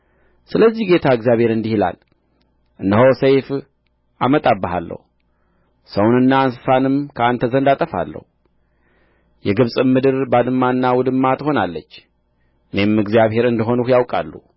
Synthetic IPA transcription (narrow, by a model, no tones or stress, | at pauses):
sɨləzːihɡe̞t̪ʰaɨɡzjaβhe̞ɾɨnd̪ihila̰l | ʔɨnːəhosəjf | amət̪ʼabːəɦa̰lːə̰hu | səwnɨnːaːnsɨ̥sanɨmkʰəant̪ʰəzənd̪at̪ʼəfa̰lːə̰hu | jɛɡɨβsʼɨmːɨd̪ɨɾbad̪ɨmːaɨnːawɔd̪ɨmːat̪əho̞nalːət͡ʃː | ʔɨne̞mɨɡzjaβhe̞ɾɨnd̪ɨɦo̞nuhjawkʼa̰lːṵ